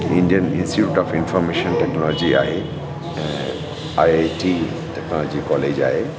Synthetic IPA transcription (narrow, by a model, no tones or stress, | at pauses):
inɖiənĩnsʈiʈuʈɔpʰinfʰɔɾmeʃɔnʈɛknɔlɔd͡ʒia̰ɦe | ajeʈi | ʈɛknɔlɔd͡ʒikɔled͡ʒa̰e